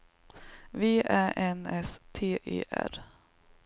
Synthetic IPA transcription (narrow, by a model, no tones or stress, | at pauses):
vɪːʔæʔɛnɛst̪ʰeːʔḛːʔæ̰ɾ